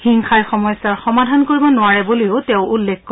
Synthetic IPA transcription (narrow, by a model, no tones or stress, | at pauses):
hiŋkʰajxɔmɔjsaɹxɔmadʱankoɹibɔnʊaɹɛbuliʊtɛʊ̃ulːɛkk